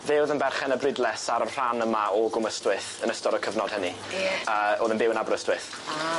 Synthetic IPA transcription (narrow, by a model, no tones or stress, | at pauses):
vɪːwðənbɛrχɛnəbrɪdlˠɛsaɾənr̥anəmaɔɡʊməstwɪθənəstɔɾəkʰəvnɔd̥əni | əːoːðənbɪwənabrəstwɪθ